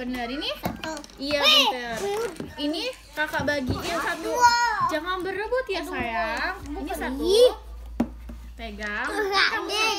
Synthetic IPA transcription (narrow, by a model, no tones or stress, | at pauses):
bənərini | ijabinərini | kakaʔbaɡijasat̪ud͡ʒaŋanbəɾəbʊt̪̚jasajaŋinisat̪ | p̪eɡaŋaŋ